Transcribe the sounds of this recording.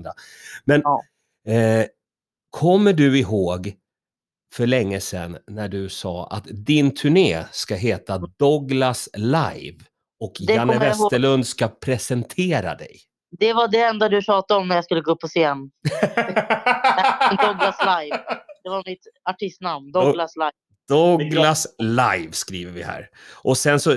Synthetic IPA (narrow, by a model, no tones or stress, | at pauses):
a | mɛn | kʰɔmːəɖɵɪɦoːɡ | fœɭɛŋːəsɛ̰nːæɖɵsɑ̰ːʔa̰t̪d̪ɪnt̪ʰɵɳeːskaɦeːt̪ad̪ɔɡlasla̰jv | ɔkjanːəvɛssəɭɵnd̪skapʰɾɛsɛnt̪ʰeːɾa̰d̪ɛ̰j | d̪ɛvaɖɛɛnd̪ad̪ɵɕɑːt̪aɔmnæɾjaskɵlːəɡoːɵpʰːɔseːn | d̪ɔɡlaslajvd̪ɛvamɪt̪aʈʰɪst̪namnd̪ɔlaslaj | d̪̥ɔɡlaslajvskɾiːvəɾvɪhæ̰ːɾ | ʔɔsɛnsɔ